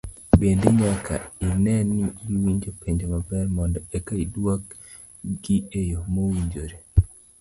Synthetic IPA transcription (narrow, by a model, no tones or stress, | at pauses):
bendeɲakʰa̰ɪnɛnːiwiɲd͡ʒopeɲd͡ʒomabɛrmɔndɔekaidwak | ɡiejomowiɲd͡ʒoɾe